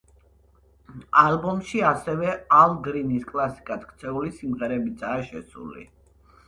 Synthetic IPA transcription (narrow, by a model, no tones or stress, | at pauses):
albɔmʃiasɛvɛalˠɡɾiniskʼlˠasi̥kʼad̪kʰt̪sʰɛulisimʁɛɾɛbid̪zaːʃɛsṵlḭ